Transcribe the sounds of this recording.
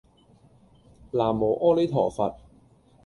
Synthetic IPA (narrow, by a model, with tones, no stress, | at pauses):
laː˨˩mːo˨˩ʔɔː˥le˨˥t̪ʰɔː˨˩fɐ̰˨t̚